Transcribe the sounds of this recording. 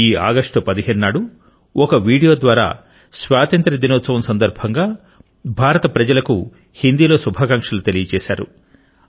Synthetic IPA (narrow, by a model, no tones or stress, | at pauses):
iːa̰ːɡɐʂʈɐpɐd̪iɦeːnuːaːɽu | ɔkɐʋiːɽijo̞ːd̪ʋaːɾa̰ː | sʋaːt̪ɐnt̪ɾɐd̪inɔːt̪sɐʋɐmsɐnd̪ɐɾbʱɐŋɡaː | bʱaːɾɐt̪ɐpɾɐd͡ʒɐlɐku | hind̪iːlo̞ːsubʱaːkɐŋkʂɐlut̪e̞lijɐt͡ʃɛːʃa̰ːɾṵ